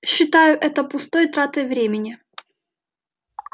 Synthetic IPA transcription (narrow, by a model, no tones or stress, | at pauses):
ɕːɪt̪ajʊʔɛt̪əpʊst̪ojt̪ɾat̪ɨjvɾʲemʲɪnʲɪ